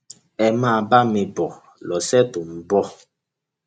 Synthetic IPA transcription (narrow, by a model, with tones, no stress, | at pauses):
ɛ˨maː˦˨ba˦me˨bɔ˨ | lɔ˨sɛ˦tu˨m̩˨bɔ˦